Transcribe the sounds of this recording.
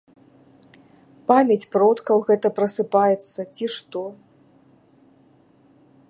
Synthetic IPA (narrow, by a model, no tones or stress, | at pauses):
pamʲɛt͡sʲpɾɔt̪kɐwɣɛt̪ɐpɾɐsɨpajɛt̪sːɐt͡sʲiʂt̪ɔ